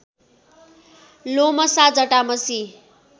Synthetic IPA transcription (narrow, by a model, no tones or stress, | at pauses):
lomʌsad͡zʌʈamʌsi